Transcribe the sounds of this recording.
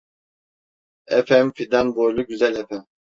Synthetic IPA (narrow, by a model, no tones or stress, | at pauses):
ɛfɛmfid̪anbojlˠuɟyzɛlʲɛfɛm